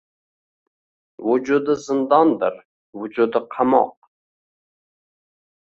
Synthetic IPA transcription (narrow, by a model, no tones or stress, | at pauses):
wʊd͡ʒud̪əzɨnd̪ɑnd̪ɨ̰ɾ | wʊd͡ʒud̪ɪqʰɑmɑ̰q̚